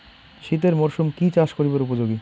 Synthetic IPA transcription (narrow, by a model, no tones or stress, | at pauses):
ʃit̪̬eɾmoɾʃumkit͡ɕaʃkoɾibeɾupod͡ʑoɡi